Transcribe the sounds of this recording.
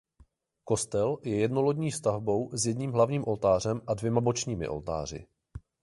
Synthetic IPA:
ko̞st̪ɛljɛjɛdno̞lo̞dɲiːfst̪avbo̞wzjɛdɲiːmɦlavɲiːmʔo̞lt̪aːr̝ɛmʔadvjɛmabo̞t͡ʃɲiːmɪ̰ʔo̞̰lt̪a̰ːr̝ɪ̰

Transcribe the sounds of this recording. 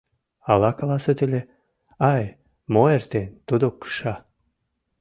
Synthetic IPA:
ɑlɑkɑlɑset̪elʲe | ɑj | moert̪enʲt̪ud̪okːə̥ʃɑ

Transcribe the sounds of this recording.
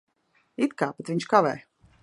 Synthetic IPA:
it̪kaːpɛt̪viɲt͡ʃkavɛ̰ː

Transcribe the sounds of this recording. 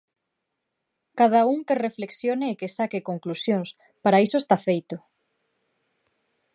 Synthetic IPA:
kað̞auŋkerefleksjoneːkesakekoŋklusjoŋs | paɾaisoest̪afejt̪ʊ

